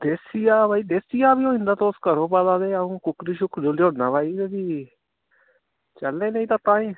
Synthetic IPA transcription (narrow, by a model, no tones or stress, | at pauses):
d̪eːsijaːbaːiːd̪eːsɪjaːbiːoːɪ̃nd̪aːt̪oːskəɾõːpaːd̪aːd̪eːaũːkʊkɾiːʃʊkʰd͡ʒoːljoːnaːbaːiːeːb̪iː | t͡ʃəlːẽːneiːt̪aːt̪ãːĩː